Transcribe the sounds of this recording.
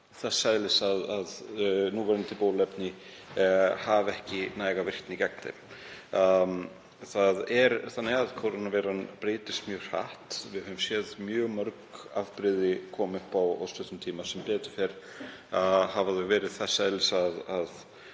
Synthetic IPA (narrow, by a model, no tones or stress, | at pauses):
θɛsːaðlɪsaðaðnuːvɛɾɪnt̪ʰɪlpowlɛpnɪ | havɛhcɪnaːjɣavɪr̥t̪nɪcɛk̚nt̪ɪ̰m | θaðɛɾθanːɪɣaðkʰowɾanavɛːɾanpɾeːt̪ɪ̥st̪mjœːɣr̥a̰ht̪vɪhmsjɛðmjœːɣmœɾka̰vpɾɪðɪkʰɔːmʏhpawɔ̰wst̪ʏht̪ʏmt̪ʰiːmasɛmpɛːt̪ʏ̥fɛɾ̥ | havaðɛɣvɛːɾɪð̥θɛsːajðlɪsaðað